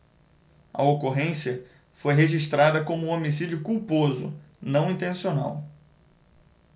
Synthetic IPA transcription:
ɐ̰okoɦẽsiɐ | fojɦeʒiʃt̪ɾad̪ɐkõmʊuomisid͡ʒiʊkuwpozʊ̰ | nɐ̃w̃ĩnt̪ẽsionaw

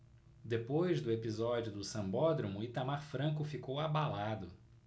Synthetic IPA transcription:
d̪epojzd̪ʊepizɔd͡ʒiʊd̪ʊsɐ̃mbɔd̪ɾumʊɪt̪amaɾfɾɐ̃k̬ʊfikowabalad̪ʊ

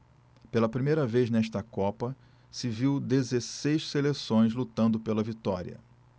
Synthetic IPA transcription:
pelɐpɾimejɾɐvejznɛʃt̪ɐkɔpɐ | sɪviwd̪ezesejʃselesõj̃zlut̪ɐ̃nd̪ʊpelɐvit̪ɔɾḭɐ̰

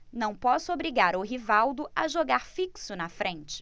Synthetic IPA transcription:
nɐ̃w̃pɔsʊobɾiɡaɾʊɦivawd̪ʊaʒoɡaɾfiksʊnɐfɾẽt͡ʃɪ̥

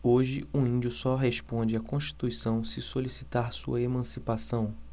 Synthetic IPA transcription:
oʒɪuĩnd͡ʒʊsɔɦeʃpõd͡ʒɪakõʃt͡ʃi̥t̪uisɐ̃w̃sɪsolisit̪aɾsṵɐemɐ̃sipasɐ̃w̃

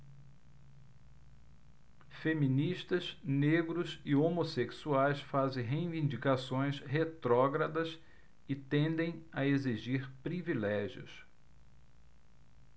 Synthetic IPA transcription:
femĩniʃt̪ɐsneɡɾʊsɪomoseksuajsfazẽj̃ɦej̃vĩd͡ʒikasõj̃sɦet̪ɾɔɡɾɐd̪ɐs | ɪt̪ẽnd̪ẽj̃ɐeziʒiɾpɾivilɛʒiʊ̰s

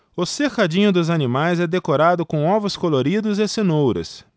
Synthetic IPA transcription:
ʊsekad͡ʒĩɲʊd̪ʊzanimajzɛd̪ekoɾad̪ʊkõɔvʊskoloɾid̪ʊzesenowɾɐ̰s

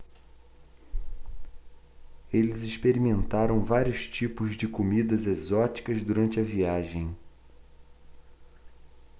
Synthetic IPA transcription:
elɪzɪʃpeɾimẽnt̪aɾɐ̃w̃vaɾiʊst͡ʃipʊzd͡ʒɪkomid̪ɐzezɔt͡ʃi̥kɐzd̪uɾɐ̃nt͡ʃɪɐviaʒẽj̃

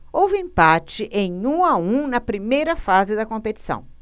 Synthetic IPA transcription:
owvɪẽpat͡ʃɪʔẽj̃ũaũnɐpɾimejɾɐfazɪd̪ɐkõpet͡ʃi̥sɐ̰̃w̃

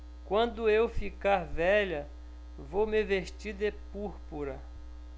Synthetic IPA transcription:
kwɐ̃nd̪ʊewfikaɾvɛʎɐ | vowmeveʃtiɾd̪epuɾpuɾɐ

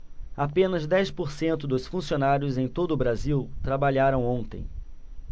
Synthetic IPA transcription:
apẽnɐzd̪ɛjspoɾsẽnt̪ʊd̪ʊsfũsionaɾjʊzẽj̃t̪od̪ʊːbɾaziwt̪ɾabaʎaɾɐ̃w̃õnt̪ḛ̃j̃

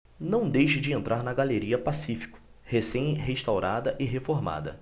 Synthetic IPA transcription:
nɐ̃w̃d̪ejʃɪd͡ʒɪẽnt̪ɾʔaɾnɐɡaleɾiɐpasifi̥kʊ̥ | hesẽj̃ɦeʃt̪awɾad̪ɐʔɪɦefoɾma̰d̪ɐ̰

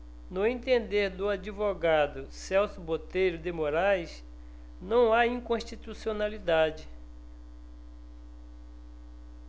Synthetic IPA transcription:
nʊẽnt̪ẽnd̪eɾd̪ʊad͡ʒivoɡad̪ʊsɛwsʊbot̪ejɾʊd̪emoɾajs | nɐ̃w̃aĩkõʃt͡ʃit̪usionalid̪ad͡ʒɪ

